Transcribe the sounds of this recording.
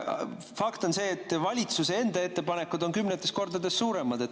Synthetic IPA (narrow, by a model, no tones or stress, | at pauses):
fɑkt̪o̞nse̞ːt̪ːˑvɑlʲit̪suse̞e̞nd̪̥ɑe̞t̪ːe̞pɑne̞kːˑud̪o̞nkymnet̪ːˑe̞sko̞rd̪̥ɑd̪e̞sːuːɾe̞mɑd̪̥e̞t̪